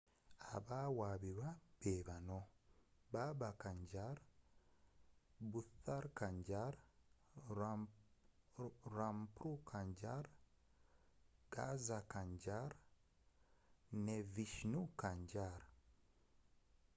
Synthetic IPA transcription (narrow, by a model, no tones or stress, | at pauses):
aβawaːβiɾwabeβanobaβakaɲɟaɾa | buθaɾkaɲɟaɾa | ɾampɾukʰaɲɟaɾa | ɡ̥azakaɲɟaɾa | neviʃnukaɲɟaɾa